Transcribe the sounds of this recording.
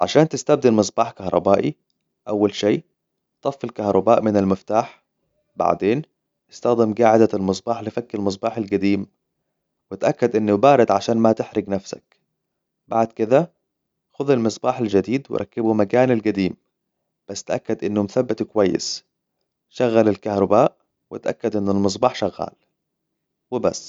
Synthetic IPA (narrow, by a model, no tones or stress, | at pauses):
ʕaʃaːnt̪ɪst̪ab̚d̪ɪlmɨs̬ˤbɑːħkahɾˤɑ̰baːʔi | ʔawːalʃeː | t̪ˤɑfːɪlkahɾˤɑbaːʔmɪnalmɪft̪aːħ | ba̰ʕd̪eːn | ɪst̪axd̪ɪmɡaːʕɪd̪almɨs̬ˤbɑːħlɪfakːɪlmɨs̬ˤbɑːħalɡad̪iːm | wɪt̪ʔakːad̪ʔɪnːʊbaːɾˤɪd̪ʕaʃaːnmat̪ɪħɾɪɡnafsa̰k | baʕd̪kɪd̪a | xʊðalmɨsˤbɑːħald͡ʒad̪iːd̪wɪ̰ɾˤʔɑ̰kːɪbumakaːnalɡad̪iːm | b̥asːt̪ʔakːad̪ʔɪnːʊmθabːɪt̪kʊwajːɪ̰s | ʃaɣːalalkahɾˤɑbaːʔ | wɪt̪ʔa̰kːad̪ʔɪnːalmɨs̬ˤbɑːħʃaɣːa̰ːl | wɪba̰sː